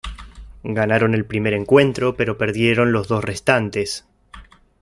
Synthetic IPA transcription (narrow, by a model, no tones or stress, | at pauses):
ɡanaɾo̞ne̞lpɾime̞ɾe̞ŋkwe̞nt̪ɾo̞pe̞ɾo̞peɾðje̞ɾo̞nlo̞zðo̞sre̞st̪ant̪e̞s